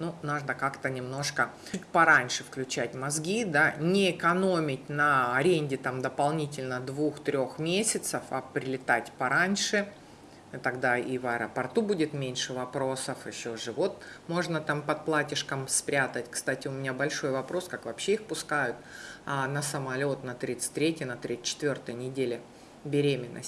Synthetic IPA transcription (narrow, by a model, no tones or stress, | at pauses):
nunaʐnəkakt̪ənʲɪmno̞ʂkə | ʊt̚ʲpɐɾanʲʂɨfklʲʉt͡ɕætʲmɐzɡʲid̪anʲɪɪkɐno̞mʲɪtʲnɐɐɾʲenʲdʲɪt̪amd̪əpɐlˠnʲitʲɪlʲnəd̪vuxt̪ɾʲo̞xmʲesʲɪt̪səfɐpɾʲɪlʲɪt̪atʲpɐɾanʲʂɨ | t̪ɐɡd̪aivɐɾəpɐrt̪ubudʲɪt̪mʲenʲʂɨvɐpɾo̞səfɪɕːoʐɨvo̞t̪mo̞ʐnət̪ampɐt̪̚plˠatʲɪʂkəmspɾʲat̪ətʲkst̪atʲɪʊmʲɪnʲabɐlʲʂo̞jvɐpɾo̞skakvɐpɕːeixpʊskajʊt̪nəsəmɐlʲo̞t̪nɐt̪ɾʲit̪sɨ̥t̚ʲt̪ʲːɾʲetʲjɪnɐt̪ɾʲest͡ɕːɪ̥t̪vʲort̪əjənʲɪdʲelʲɪ | bʲɪɾʲemʲɪnːʔə̰sʲ